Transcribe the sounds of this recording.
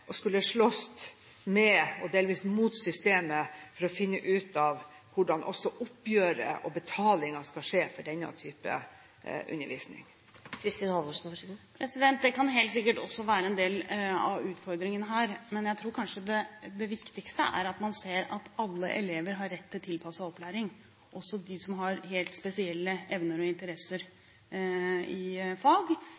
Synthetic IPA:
ʔɔskʉlːəʂɭɔst̪ | mɛɔd̪eːlʋiːsmuːt̪sʏst̪eːməfɔɾɔfɪnːəʔʉːt̪ɑʋ | ʋʊɖɑnʔɔsːɔʔʊpːjøːɾə̰ʔɔbət̪ʰɑːlɪŋɑskɑʂeːfɔɖɛnːɑ̰t̪ʰyːpə̰ | ʔʉ̰nːəɾʋḭːsnɪ̰ŋ | kʰɾɪst̪iːnhɑlʊʂn̩ʋɑʂɡpʰɾɛsɪd̪ɛnt̪̚d̪ɛkɑnɦeːlt̪sɪkːəʈɔ̰sːɔʋæːɾəɛnd̪eːlɑ̰ʉːt̪fɔɾd̪ɾɪŋənəɦæːɾmɛnjæɪt̪ʰɾuːɾkʰɑnʂəd̪ɛd̪ɛʋɪkt̪ɪɡkst̪ə̰æ̰ɾɑt̪mɑnseːɾɑ̰t̪ɑlːə̰ʔɛleːʋəɾɦɑɾːɛt̪ʰːɪlt̪ʰɪlpʰɑsɑɔplæːɾɪŋ | ʔɔsːɔd̪ɪsɔmɦɑɾɦeːlt̪spɛsɪɛlːəɛʋnəɾɔɪnt̪əɾɛsːəɾ | ɪfɑːɡ

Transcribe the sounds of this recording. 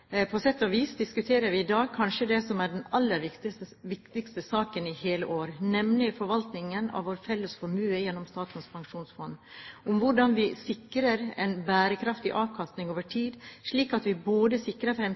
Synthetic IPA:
pʰɔsɛt̪ːɔʋiːsd̪ɪskʉt̪ʰeːɾəɾʋɪɪd̪ɑːɡ̚kʰɑnʂəd̪ɛsɔmæɖɛnɑlːəɾʋɪt̪ɪəʋɪkt̪ɪkst̪əsɑːkənɪheːləʔoːɾnɛmnɪfɔɾʋɑlt̪nɪŋənɑ̰ʋoːɾfɛlːəsfɔɾmʉːəjɛnːɔmst̪ɑːt̪n̩spʰɑŋʂuːnsfɔnːʊmʋʊɖɑnʋɪsɪkɾəɾɛ̰ɪnbæːɾəkʰɾɑft̪ɪʔɑːʋkʰɑst̪nɪŋoːʋəʈʰiːd̪ʂɭiːkɑt̪ʋɪboːd̪əsɪkɾəɾfɾɛm

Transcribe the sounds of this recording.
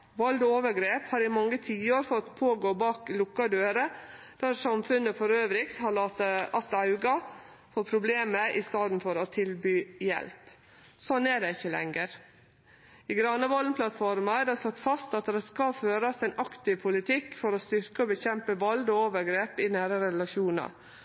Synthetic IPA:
ʋɔld̪oːʋəɾɡɾeːphɑːɾɪmɑŋːət̪ʰiːoːɾfɔt̪pʰoːɡoːbɑːklʊkːɑd̪øːɾə | d̪̥æɾsɑmfʉnəfɔɾøːʋɾɪkt̪hɑɑɑt̪ɑʉɡɑ | foːɾpʰɾʊbleːməʔɪst̪ɑːd̪n̩fɔɾɔt̪ʰɪlbyːjɛ̰lp | sɔneːɖɛɪçːəlɛ̰ŋəɾ | ɪɡɾɑnəʋɔlnpʰlɑt̪fɔɾmɑæd̪ɛsɔt̪ːfɑst̪ɑt̪d̪ɛskɑføːɾɑsɛnɑkt̪ɪʋpʰʊlɪt̪ʰɪkːfɔɾɔst̪ʏɾkəɔbəçɛmpəʋɔld̪ɔoːʋəɾɡɾeːpɪnæːɾɑɾɛlɑʃuːnɑ̰ɾ

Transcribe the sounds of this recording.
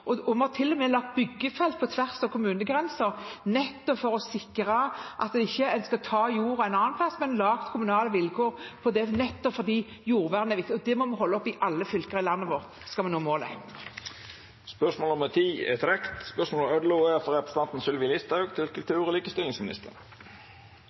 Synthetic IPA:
ʔɔɔmhɑt̪ʰɪlːɔmɛːlɑk̚t̪̚bʏɡːəfɛlt̪̚pʰɔt̪ʰʋæʁsɔkʰʊmʉːnəɡʁɛnsəʁnɛt̪ːɔpfɔɾɔsɪkːɾɑʔɑ̰t̪̚d̪ɛɪçːəɛnskəɔt̪ʰɑːjuːɾæɪnɑnːɑnpʰlɑsmɛnlɑːɡt̪kʰʊmʉnɑːləʋɪlkʰoːʁpʰɔd̪ɛnɛt̪ːɔpfɔd̪iː | juːʁʋæːʁnæɛʁʋɪkt̪ɪɔd̪ɛmɔmɑɦɔlːəɔpɪʔɑlːəfʏlkəʁɪlɑnːəʋɔʁt̪ | skɑlmɛnːuːmoːlə̰ | spœʂmoːlɔmɛt̪ʰiːɛ̰t̪ɾɛkt̪spœʂmoːlɔmœd̪luɛfɔɾɛpɾəst̪ʰɑnt̪n̩sʏlʋɪlɪst̪ɑʉɡt̪ʰɪlkʰʉlt̪ʰʉːɾɔliːkəst̪ɪlɪŋsmɪnɪ̰st̪ə̰ɾ

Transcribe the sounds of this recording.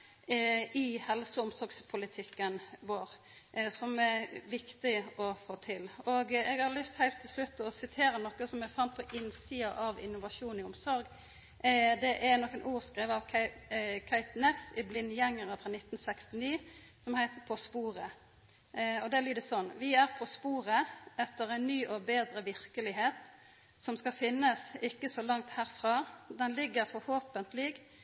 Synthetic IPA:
ɪhɛlsəʊmsɔɾɡspʰʊlɪt̪ʰɪkːənʋoːɾ | sɔmɛʋɪkt̪ɪɔfoːt̪ʰɪlɔɡɛɡhɑɾlʏst̪hæɪlt̪ʰːɪlslʉt̪ːɔsɪt̪ʰeːɾənɔkəsɔmɛɡfɑnt̪̚pʰɔʔɪnsiːɑʔɑʋɪ̰nʊʋɑʂuːnɪʊmsɔɾɡ | d̪ɛʔæɾnɔkːənʔuːɾskɾeːʋəɑʋʰ | kʰæɪt̪nɛsɪblɪnːjɛŋːəɾɑfʁɑnɪt̪ːnsɛkst̪ɪniːsɔmhæɪt̪əpʰɔspuːʁə | ɔd̪ɛblyːd̪əsɔnːʋɪæʁpʰɔspuːʁəɛt̪ːəʁæɪnnyːʔɔbeːd̪ɾəʋɪɾkəlɪɦeːt̪ | sɔmskɑfɪnːəsɪkːəsɔlɑŋt̪hæːɾfʁɑːd̪ɛnlɪɡːəɾfɔɾhoːpənt̪lɪɡ

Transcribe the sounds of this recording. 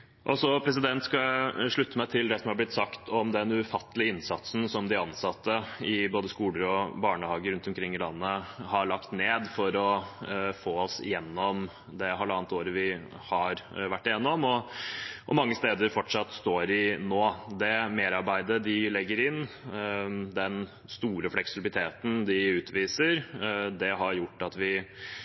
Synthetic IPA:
ʔɔsɔpʰɾɛs̬ɪd̪ɛnt̪skɑʂɭʉt̪ːəmæɪt̪ʰɪld̪ɛsɔmhɑblɪt̪sɑkt̪ʰɔmd̪ɛnʉfɑt̪ːəlɪəɪnsɑt̪sn̩sɔmd̪ɪɑnsɑt̪ːəɪboːd̪əskuːləɾɔbɑːɳəhɑːɡəɾʉnt̪ɔmkʰɾɪŋːɪlɑ̰nːəhɑɭɑkt̪neːd̪fɔɾɔfoːɔsɪ̰jɛnːɔm | d̪ɛɦɑlːəɑːnt̪oːɾəʋɪ | hɑɾʋæʈːɪjɛnːɔmɔ | ʔɔmɑŋːəst̪eːd̪əɾfɔʈʂɑt̪ːst̪oːɾɪnoːd̪ɛmeːɾɑɾbæɪd̪əd̪ɪlɛɡːəɾɪnː | d̪ɛn | st̪uːɾəflɛksɪbɪlɪt̪ʰeːt̪n̩d̪ɪʉːt̪ʰʋiːsəɾd̪ɛɦɑɾjʊʈːɑt̪ʋɪ

